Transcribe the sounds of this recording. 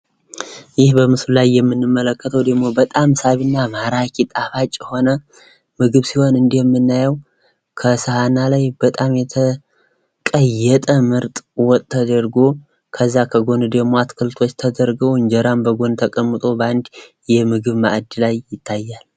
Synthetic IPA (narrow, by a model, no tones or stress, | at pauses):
jɪhbəmɨsllajːɛmːɨnːɨmːələkːət̪ʰəwd̪əɡmo̞bət̪ʼamsaβɨnːamaɾakʰit̪ʼafat͡ʃʼːho̞nə | mɨɡɨβsiho̞nɨnd̪ijɛmːɨnːajəw | kʰəsɨhanːalajb̥ət̪ʼamjɛt̪ʰə | kʼəjːɛt̪ʼəmɨɾt̪ʼwɔt̪ʼt̪ʰːəd̪əɾɡo̞ | kʰəzːakʰəɡo̞nd̪əmoat̪kʰɨlt̪ʰwo̞t͡ʃːt̪ʰəd̪əɾɡəwɨɲd͡ʒɛɾambəɡo̞nt̪ʰəkʼəmːɨt̪ʼo̞band̪ | jɛmɨɡɨβma̰ʔd̪ilajːɪt̪ʰːajːal